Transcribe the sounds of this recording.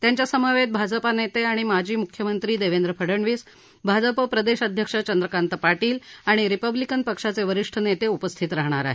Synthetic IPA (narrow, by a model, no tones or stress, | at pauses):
t̪jaɲt͡ɕjasəməʋet̪̚bʱad͡zəpanet̪eaɽ̃imad͡ʑʱiːmukʰjəmənt̪ɾiːd̪eʋend̪ɾəpʰəɽəɳʋiːs | bʱad͡zəpəpɾəd̪eɕəd̪ʱjəkʂət͡ɕənd̪ɾəkant̪əpaʈiːlaɽ̃iɾipəblikənpəkʂat͡seʋəɾiʂʈʰənet̪eupəst̪ʰit̪ɾaɦɳ̃aɾa̰ɦe